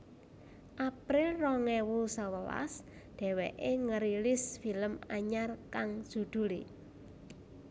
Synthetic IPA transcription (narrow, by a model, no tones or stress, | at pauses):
ʔapɾɪlrɔŋɛwusəwəla̰s | d̪̥ɛ̤wɛʔeŋəɾilɪsfiləmaɲarkaŋ̥ʒ̥ṳd̪̥ṳlḭ